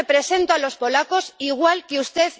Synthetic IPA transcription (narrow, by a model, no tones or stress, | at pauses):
pɾe̞se̞nt̪oalo̞spo̞lako̞siɣ̞walkeust̪e̞θ